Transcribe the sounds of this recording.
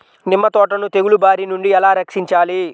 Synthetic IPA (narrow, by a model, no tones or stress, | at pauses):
nimːɐt̪ɔːʈɐnut̪eɡulubaːɾinuɳɖiɛlaːɾɐkʂiɲt͡ʃaːli